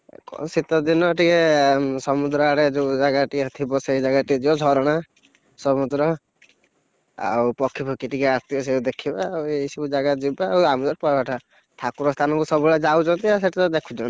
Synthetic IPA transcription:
kɔ̰sit̪ɔd̪inɔʈikemsɔmud̪ɾɔaɾed͡ʒed͡ʒaɡaʈiɔt̪ʰibɔseid͡ʒaɡaʈid͡ʒibɔd͡ʒʱɔɾɔɽ̃a | sɔmud̪ɾɔ | a̰wpɔkʰːipɔkiʈikɛaɾt̪ʰikɔs̬eud̪ekʰibaːwejsɔbud͡ʒaɡad͡ʒibaːwamud͡ʒɔpɔbaʈʰa | t̪ʰakuɾɔst̪ʰanɔŋkusɔbuɭad͡ʒawt͡ʃʰɔnt̪ias̬eʈit̪ɔd̪ekʰud͡ʒɔña

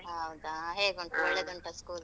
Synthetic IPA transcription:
ɦɐwd̪aɦeːɡuɳʈuɔɭːed̪uɳʈɐskuːl

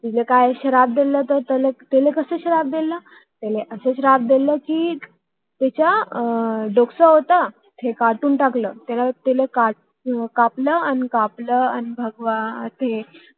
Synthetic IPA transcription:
t̪ilekajɕəɾab̚d̪elət̪əɾt̪əlet̪elekəseːɕəɾab̚d̪eləː | t̪eleʔəseɕəɾab̚d̪eləkiː | t̪jat͡ɕa | ɖoksəɦot̪a | t̪ʰekaʈuːnʈakləːt̪jalat̪elekaʈ̚ | kapləanikapləanibʱəɡʋãt̪ʰe

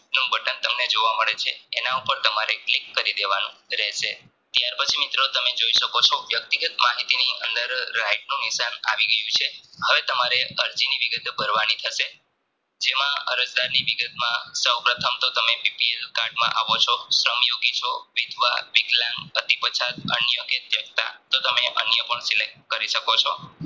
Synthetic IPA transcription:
nũbʱəʈənt̪əmned͡ʒoʋaməɭet͡ʃʰeenaupəɾt̪əmaɾeklikːəɾid̪eʋanṵ̃ɾɛɦʃe | t̪jaɾpət͡ʃʰimit̪ɾot̪əmed͡ʒoiʃəkot͡ʃʰoʋjək̚t̪iɡət̪maɦit̪iniʔə̰nd̪əɾːaiʈ̚nũnɪsana̰ʋiɡəjũt͡ʃʰeɦəʋet̪əmaɾeəɾd͡ʒiniʋiɡət̪bʱəɾʋanit̪ʰəʃe | d͡ʒemãə̰ɾəd͡ʒd̪aɾniʋiɡət̪mãsəwpɾət̪ʰəmt̪ot̪əmepipielkaɾɖmã̰ʔa̰ʋot͡ʃʰɔsɾəmjoɡit͡ʃʰoʋid̪ʱʋa̰ʋiɡlãŋɡət̪ipət͡ʃʰat̪ənjəket̪jəkt̪a̰t̪ot̪əmeʔə̰njəpəɳsilek̚ʈkəɾiʃəkot͡ʃʰo

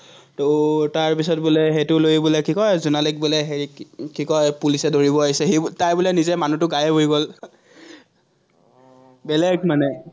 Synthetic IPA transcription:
totaɹpisɔt̚bulɛɦetʊlojbulɛkikɔjzunalik̚bulɛɦeikikɔjpulisɛdoɹibɔaisɛɦebtajbʊlɛnizɛmanutʊɡajɛbʱojɡol | bɛlɛɡmanɛ

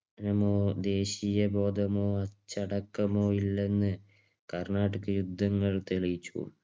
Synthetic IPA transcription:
nɐmoːd̪e̞ːɕijɐbo̞ːd̪ʱɐmoːɐt͡ɕːɐɽɐkːɐmoːilːe̞nːɨ | kɐrnaːʈɐkːɐjud̪ʱːɐŋːɐɭt̪elijit͡ɕːṵ

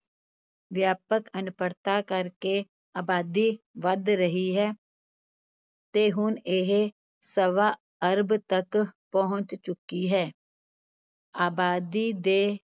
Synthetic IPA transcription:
ʋjaːpəkənʊpəɾt̪akəɾke | aːbaːd̪i | ʋəd̪ɾəɦiɦɛː | t̪eːɦʊneɦe | səʋa | əɾbt̪ɐkpɐɦʊ̃t͡ʃt͡ʃʊkiɦɛː | aːbaːd̪id̪eː

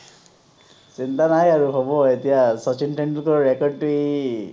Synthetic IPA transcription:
sint̪anajaɹuɦobɔet̪ijasɔt͡ʃinʈeɳkɔɹekɔɖ̚ʈui

